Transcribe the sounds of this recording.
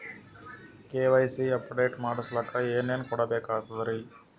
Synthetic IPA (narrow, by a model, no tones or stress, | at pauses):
keːʋɐjsiɐpːɖeːʈmaːɽɐslɐkɐeːneːnkɔɽɐbɛːkaːt̪ɐd̪ɐɾi